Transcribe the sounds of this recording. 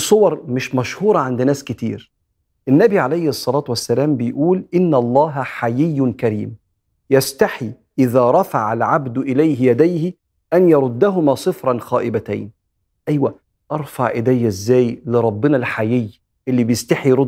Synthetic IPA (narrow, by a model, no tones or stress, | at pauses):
sˤːowɑɾˤmɪʃmæʃhuːɾˤɑʕand̪næːskɪt̪ḭːɾ | ʔɪnːæbiʕalæjhsˤːɑlɑːt̪wæsːælæːmbɪjʔuːlʔɪnːælˤːɑːɦħajɪjːnkæɾiːm | jæst̪aħi | ʔɪðæːɾˤɑfaʕalʕabd̪ʔɪlæjɦɪjæd̪æjhɪ | ʔænjɑɾˤʊd̪ːæɦʊmæːsˤɨfɾˤɑnxæːʔɪbæt̪æ̰jn | ʔæjwæ | ʔɑɾˤfaʕʔɪd̪æjːæzːæːjlɪɾˤɑbːɪnælħajɪj | ʔɪlːibɪjɪst̪aħiɾʊ